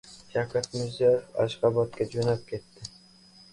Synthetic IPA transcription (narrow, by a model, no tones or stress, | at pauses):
ʃʰakat̪mʊzaɾɪfa̰ʃqɑbɒt̪̚kʲad͡ʒonap̚kʲʰe̞t̪ːɪ